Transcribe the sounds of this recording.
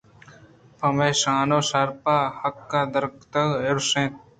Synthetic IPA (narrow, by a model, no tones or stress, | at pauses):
pɐmeːʃaːnoːsɐɾpaːhɐkːaːd̪ɐɾkt̪ɐɡɪɾsẽː